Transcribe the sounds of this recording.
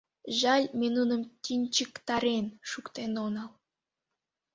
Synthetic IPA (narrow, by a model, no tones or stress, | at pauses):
ʒɑlʲmʲenunə̆mtʲinʲt͡ɕəkt̪ɑɾenʃukt̪enonɑlˠ